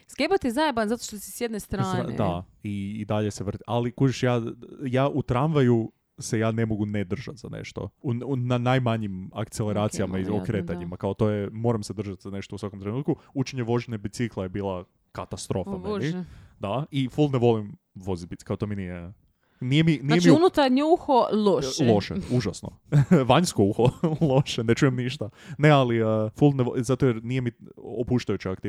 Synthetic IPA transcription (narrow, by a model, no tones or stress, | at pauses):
sɡebot̪jezaebanzat̪oʃt̪osi̥sjed̪nest̪ɾaːn̰d̪a | iːd̪aʎe̞seʋr̩t̪i̥alikud͡ʒeʃjaːjaːʔut̪ɾanʋaju | sejaːne̞mo̞ɡuned̪r̩ʒat̪zanḛʃt̪o̞̰nanajmaɲima̰kt̪selˠeɾaːt̪sijamaiokɾeːt̪aɲimakaot̪o̞jemo̞ːɾamsed̪ɾr̩ʒat̪zane̞ʃt̪ousʋakomt̪ɾe̞nuːt̪̚kuut͡ʃeɲeʋo̞ʒinebit̪siklˠejebiːlˠa | kat̪ast̪ɾo̞fanid̪aifulˠneʋo̞lim | ʋo̞zibi̥kaot̪ominije | nijeminijemiunut̪aɾɲeuxoloʃlˠoʃḛuʒasno̰ʋaɲskouxolˠo̞ʃene̞t͡ʃujemniʃt̪anealiəfulˠnezat̪ojeɾnije̞miopuʃt̪ajut͡ɕiakt̪i